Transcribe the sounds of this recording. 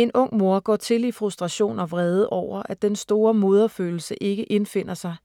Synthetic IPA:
e̝nɔ̽ŋ̰mo̝ɐɡ̥ɒ̰ːt͡sʰe̝lifʁusd̥ʁɑ̈ɕo̝̰ːnɒ̽ʋʁɛːð̞ˠəʔɒʊ̰ɐʔæd̥ensd̥o̝ːɐmo̝ð̞ˠɐfø̰ːl̩səʔe̝ɡ̥əʔe̝nfe̝n̰ɐsɑ̈ɪ

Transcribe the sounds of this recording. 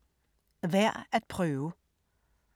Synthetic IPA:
ʋæɐ̰æt̪̚pʰʁœːʋə

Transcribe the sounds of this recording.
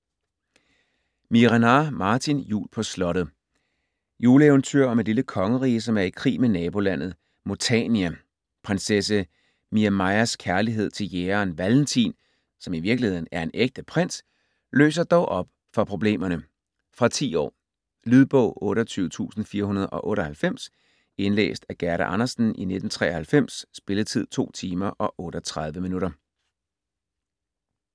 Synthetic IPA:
miʁanɑmɑ̈ːt͡sʰinjṵːlpʰɒ̽slɒ̽ɾ̥ð̩ˠ | juːləeʋnt͡sʰøɐ̰ɒ̽med̥liləkʰɒ̽ŋəʁiːəsɒ̽mæɐikʰʁḭːmenɛːb̥o̝læn̰ð̞̩ˠ | mo̝t͡sʰɛ̰ːniæ | pʰʁensesə | miæmɑɪæskʰæɐliɦe̝ð̞̰ˠt͡sʰe̝ljeːɐnʋæln̩t͡sʰḭn | sɒ̽miʋiɐɡ̥lihe̝ð̰ˠn̩æɐe̝neɡ̥̚d̥əpʰʁen̰s | lø̰ːs̬ɐd̥ɒʊʔɒ̽b̥ | fɒ̽pʰʁo̝b̥le̝̰ːmɐnə | fʁɑ̈t͡sʰḭːɒ̰ː | lyð̞ˠb̥ɔʊ̰ɔ̽ːɾəɒt͡sʰyːʊt͡sʰṵːsn̩fiːɐhunɐð̞ˠʔɒ̽ʔɔ̽ːɾəhælfem̰s | e̝nlḛːsd̥æɡ̥æɐɾæʔɑ̈nɐsn̩ʔine̝d̥n̩t͡sʰʁɛ̰ːɐhælfem̰sːb̥e̝ləð̩ˠt͡sʰið̞̰ˠt͡sʰo̝̰ːt͡sʰiːmɐʔɒ̽ʔɔ̽ːɾ̥ɐt͡sʰʁɑ̈ð̞ˠʋəminuɾɐ

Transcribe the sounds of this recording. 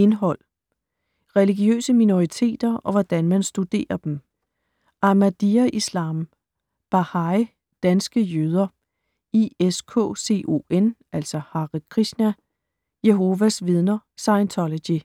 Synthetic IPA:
e̝nɦɒ̽l̰ | ʁɛliɡ̥iø̰ːsəmino̝ʁit͡sʰe̝̰ːd̥ɐɒ̽ʋɒd̥ænmænsd̥ud̥e̝̰ːɐd̥em | ʔɑ̈mæd̥iæʔislɑ̈ːm | b̥ɑhɑ̈ɪ | d̥ænsɡ̥əjøːð̞ˠɐ | ieskʰɔ̰̽ːse̝̰ːʔo̝̰ːen | æl̰sɒhɑ̈ʁikʰʁisnæ | jeɦo̝ʋæsʋið̞ˠnɐsɑ̈ɪnt͡sʰɒlo̥i

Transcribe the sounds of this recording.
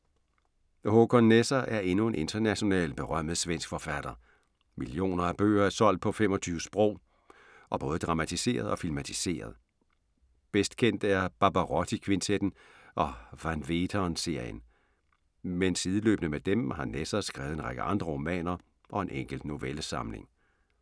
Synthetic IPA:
hokʰonːesɐʔæɐe̝nue̝nʔe̝nd̥ɐnæɕo̝nɛ̰ːlb̥e̝ʁɶm̰ð̩ˠsʋen̰sɡ̥fɒ̽fæd̥ɐ | milio̝̰ːnɐæb̥ø̰ːɐæɐsɒ̽l̰d̥̚pʰɒ̽fem̰ɒ̽t͡sʰyːʋəsb̥ʁɔ̰ʊ̰ | ʔɒ̽b̥ɔ̽ːð̞̩ˠd̥ʁɑ̈mæt͡sʰise̝̰ːɐð̞̩ˠɒ̽filmæt͡sʰise̝̰ːɐðˠ | b̥esd̥kʰen̰d̥æɐb̥ɑ̈b̥æʁɒt͡sʰikʰʋint͡sʰed̥n̩ | ʔɒ̽ʋænʋeːd̥ʰɐnse̝ɐ̰jən | mensiːðˠəlø̰ːb̥nəmed̥emhɑ̈nesɐsɡ̥ʁɛ̰ːʊðˠe̝nʁaɡ̥əʔɑ̈nd̥ʁɐʁo̝mɛ̰ːnɐ | ʔɒ̽e̝nʔeŋ̰ɡ̥l̩d̥no̝ʋeləsɑ̈mle̝ŋ

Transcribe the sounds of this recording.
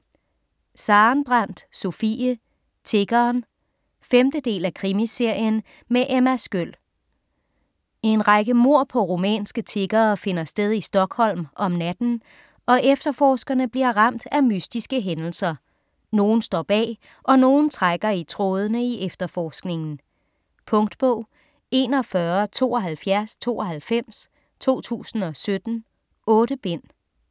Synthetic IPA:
sɑ̈ːnb̥ʁɑn̰d̥so̝fḭːə | t͡sʰe̝ɡ̥ɐːn | femd̥əd̥e̝̰ːlækʰʁimise̝ɐ̰jən | meʔemæsɡ̥øl̰ | e̝nʁɑɡ̥əmo̝ɐ̰pʰɒ̽ʁomɛ̰ːnsɡ̥ət͡sʰe̝ɡ̥ɐːfe̝nɐsd̥eð̞ˠisd̥ɒ̽ɡ̥hɒ̽l̰mʔɒ̽mnæd̥n̩ | ɒ̽ʔefd̥ɐfɒːsɡ̥ɐnəb̥liɐ̰ʁɑ̈m̰d̥æmysd̥isɡ̥əɦenl̩sɐ | no̝ːn̩sd̥ɒ̰ːb̥ɛ̰ː | ʔɒ̽no̝ːn̩t͡sʰʁaɡ̥ɐit͡sʰʁoːð̞ˠənəiʔefd̥ɐfɒːsɡ̥ne̝ŋn̩ | pʰɔ̽ŋd̥b̥ɔʊ̰ | e̝ːnɒ̽fɶɐt͡sʰo̝̰ːɒ̽ɦælfjæɐst͡sʰo̝̰ːɒ̽ɦælfem̰s | t͡sʰo̝̰ːt͡sʰṵːsn̩ɒ̽sød̥n̩ | ɔ̽ːɾ̥əb̥en̰

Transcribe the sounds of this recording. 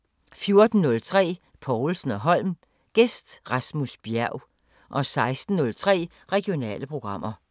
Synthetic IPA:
fjo̝ɐd̥n̩ːɔ̽lt͡sʰʁɛ̰ː | pʰɒʊl̩sn̩ɒ̽ɦɒ̽l̰m | ɡ̥esd̥ʁɑ̈smusb̥jæɐʊ | ʔɒ̽sɑ̈ɪsd̥n̩ːɔ̽lt͡sʰʁɛ̰ː | ʁɛɡ̥io̝nɛ̰ːləpʰʁo̝ɡ̥ʁɑ̈m̰ʔɐ

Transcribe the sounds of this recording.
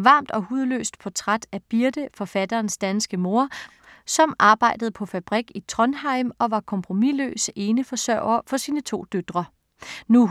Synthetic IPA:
ʋɑ̈ːmd̥ɒ̽huð̞ˠlø̰ːsd̥̚pʰɒ̽t͡sʰʁad̥æb̥iɐd̥əfɒ̽fæd̥ɐːnsd̥ænsɡ̥əmo̝ɐ | sɒ̽mʔɑ̈ːb̥ɑ̈ɪd̥əð̩ˠpʰɒ̽fæb̥ʁiɡ̥it͡sʰʁɔ̽nhɑ̈ɪ̰mɒ̽ʋɑ̈kʰɒ̽mpʰʁo̝milø̰ːse̝ːnəfɒ̽sɶ̰ʊɐfɒ̽siːnət͡sʰo̝̰ːd̥ød̥ʁɐ | nu

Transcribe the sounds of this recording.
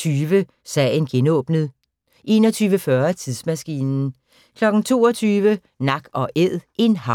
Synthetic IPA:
yːʋə | sɛ̰ɪnɡ̥enɔ̽ːb̥nəð̩ˠ | ʔe̝̰ːnɒ̽t͡sʰyːʋəfɶɐæt͡sʰiðˠsmæsɡ̥ḭːnn̩ | kʰlɒ̽ɡ̥n̩t͡sʰo̝̰ːɒt͡sʰyːʋə | nɑ̈ɡ̥ɒ̽ʔeð̰ˠʔe̝nɦɑ̈

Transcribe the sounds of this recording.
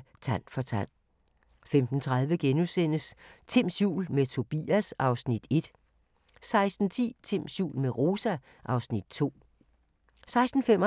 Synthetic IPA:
t͡sʰæn̰fɒ̽t͡sʰæn̰ | femd̥n̩t͡sʰʁað̞ˠʋəɡ̥enusen̰əst͡sʰim̰sjṵːlmet͡sʰo̝b̥ḭːæsɑ̈ʊsnid̥e̝d̥ | sɑ̈ɪsd̥n̩t͡sʰḭːt͡sʰemsjṵːlmeʁo̝ːsæ | ʔɑ̈ʊsnid̥̚t͡sʰo̝̰ː | sɑ̈ɪsd̥n̩femɒ

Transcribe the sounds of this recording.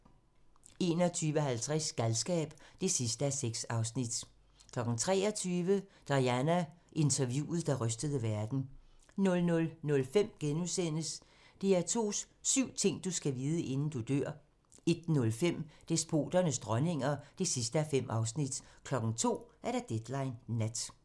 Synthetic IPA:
e̝ːnɒt͡sʰyːʋəɦælt͡sʰʁɛsɡ̥ælsɡ̥ɛ̰ːb̥d̥e̝sisd̥əæɐseɡ̥sɑ̈ʊsnid̥ | kʰlɒ̽ɡ̥ŋ̩t͡sʰʁɛːɒt͡sʰyːʋəd̥ɑ̈jænæʔe̝nt͡sʰɐʋjṵːð̞̩ˠd̥ɑ̈ʁœsd̥əð̞ˠəʋæɐd̥n̩ | nɔ̽lnɔ̽lnɔ̽lfem̰ɡ̥enusen̰əs | d̥e̝æɐt͡sʰo̝̰ːs | syʊ̰t͡sʰe̝ŋ̰d̥usɡ̥æʋiːð̞ˠəʔe̝nn̩d̥ud̥øɐ̰ | e̝d̥nɔ̽lfem̰d̥e̝sb̥o̝̰ːd̥ɐnəsd̥ʁɶne̝ŋ̰ɐd̥e̝sisd̥əæfem̰ʔɑ̈ʊsnid̥kʰlɒ̽ɡ̥ŋ̩t͡sʰo̝̰ːæɐɾ̥ɑ̈d̥ed̥lɑ̈ɪnːæd̥

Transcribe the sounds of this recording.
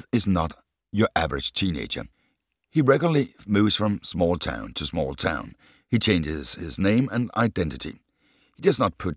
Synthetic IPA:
ɨznət | ə˞ʔævə˞ɨ̥d͡ʒ̥tʰĩnḛɪd͡ʒə̰˞ | hiɹɛɡl̩ˠəlimuvz̥fɹʌ̃msmɔlˠtʰã̰ʊ̃ntʰɨsmɔ̰lˠtʰã̰ʊ̃n | it͡ʃʰẽɪ̃nd͡ʒɪz̥ɪznẽɪ̃mɨ̰̃na̰ɪdɛ̃ntɨɾḭ | hidʌznət̚pʰʊt̚

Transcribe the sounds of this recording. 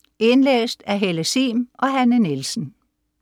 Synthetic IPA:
e̝nlḛːsd̥æɦeləsiːmʔɒ̽ɦænənelsn̩

